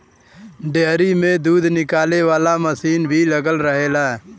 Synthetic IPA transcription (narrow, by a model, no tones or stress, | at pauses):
ɖeɦɾimẽd̪uːd̪ʱnɪkaːleʋaːlaməsiːnbʱiləɡəlɾəɦeːlaɛ